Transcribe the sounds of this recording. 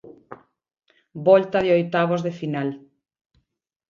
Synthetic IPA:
bɔlt̪ɐðeojt̪aβ̞ozðefinal

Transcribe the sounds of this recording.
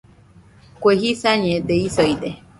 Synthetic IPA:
kʷeɦisaɲẽd̪eisoid̪e

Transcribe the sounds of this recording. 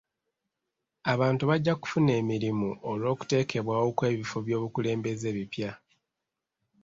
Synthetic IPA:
aβaːntuβaɟːaku̥fune̞ːmiɾimuʔolo̞ːku̥te̞ːke̞βwaːwokwe̞ːβifo̞βjo̞ːβukule̞ːmbe̞ze̞ːβipja

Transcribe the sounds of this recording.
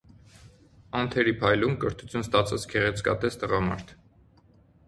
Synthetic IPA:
ɑnt̪ʰɛɾipʰɑjlumkəɾt̪ʰu̥t͡sʰjunst̪ɑt͡sʰɑt͡sʰkʰɛʁɛt͡sʰkɑ̰t̪ɛst̪əʁɑmɑ̰ɾt̪ʰ

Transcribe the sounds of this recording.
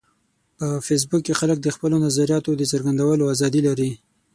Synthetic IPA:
pəfes̬bukːexalək̚d̪əxpəlonazaɾijɑt̪od̪əsəɾɡand̪awəloazɑd̪ilaɾi

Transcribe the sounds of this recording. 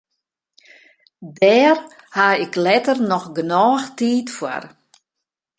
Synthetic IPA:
dɛːr | haɪklɛtərnɔxɡənɔːxtiːtfwa̰r

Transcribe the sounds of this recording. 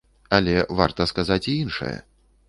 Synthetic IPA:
alʲɛvart̪ɐskazat͡sʲiinʂɨ̰jɛ̰

